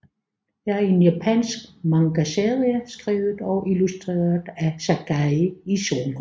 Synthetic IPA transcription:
jɑ̈æɐe̝njæpʰænsɡ̥mɑ̈ŋɡ̥æseðˠiɐsɡ̥ʁiːʊð̩ˠɒ̽ʔilusd̥ʁḛːɐð̩ˠæsæɡ̥æison

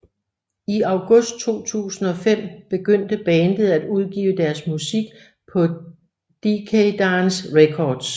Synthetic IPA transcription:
iɑ̈ʊɡ̥ɔ̽sd̥̚t͡sʰo̝̰ːt͡sʰṵːsn̩ɒ̽fem̰b̥e̝ɡ̥øn̰d̥əb̥ɛːnd̥əð̩ˠæd̥uð̞ˠɡ̥ḭːʊəd̥æɐsmusiɡ̥ | pʰɒ̽ | d̥ikʰed̥ɑnsʁekʰɒːd̥s

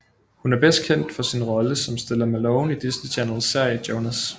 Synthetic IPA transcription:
hunæɐb̥esd̥̚kʰen̰d̥fɒ̽sinʁɒ̽ləsɒ̽msd̥e̝lɐmælɔʊnid̥isnit͡ɕʰænəl̩seɐ̰jd̥joʊnæs

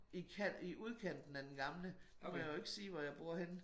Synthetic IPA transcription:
ikʰæiʔuð̞ˠkʰæn̰d̥n̩æd̥enɡ̥ɑ̈mləd̥umɒjaʊe̝ɡ̥siːʋɒjɑ̈ɪb̥uɐ̰hen

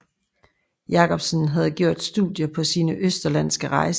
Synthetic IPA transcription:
jɑ̈kʰɒ̽b̥sənɦæð̞̩ˠɡ̥jo̝ɐ̰d̥sd̥uðˠjəpʰɒ̽siːnəʔøsd̥ɐlæn̰sɡ̥əʁɑ̈ɪs

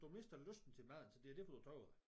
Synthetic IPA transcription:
d̥ume̝sd̥ɐløsd̥n̩t͡sʰe̝lmæð̰ˠn̩sɒd̥e̝ɐd̥eæɐfɒd̥upʰʁœʊ̰

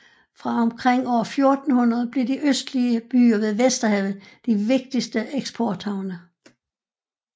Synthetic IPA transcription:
fʁɑ̈ɒ̽mkʰʁɛŋ̰ɒʊ̰ɐfjo̝ɐd̥n̩hunɐð̞̩ˠb̥le̝ɐd̥iʔøsd̥liəb̥y̰ːɐʋe̝ðˠʋesd̥ɐɦæʊð̩ˠd̥iʋe̝ɡ̥̚d̥isd̥əʔeɡ̥sb̥ʰɒːd̥hɑ̈ʊ̰nə

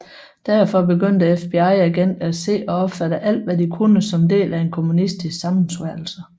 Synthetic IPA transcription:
d̥æɐ̰fɒ̽be̝ɡøn̰d̥əefb̥e̝ɑ̈ɪ̰æɡ̥en̰d̥æ̥se̝̰ːɒ̽ɒ̽b̥fæɾ̥əʔæl̰d̥ʋædikʰunəsɒ̽md̥e̝̰ːlʔæe̝nkʰo̝munisd̥issɑ̈mn̩sʋæɐl̩sə

